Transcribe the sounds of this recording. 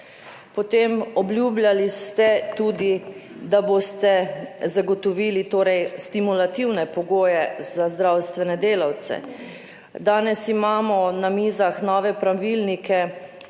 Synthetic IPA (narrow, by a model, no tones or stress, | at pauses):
pɔt̪eːmɔblʲjuːbljalist̪ɛt̪uːd̪id̪abost̪ɛzaɡɔt̪ɔʋiːlit̪oːɾɛjst̪imulat̪iwnɛpɔɡoːjɛzazd̪ɾawst̪ʋɛnɛd̪eːlawt̪sɛ̰ | d̪aːnɛsimaːmɔnamiːzaxnɔːʋɛpɾaʋilnikɛ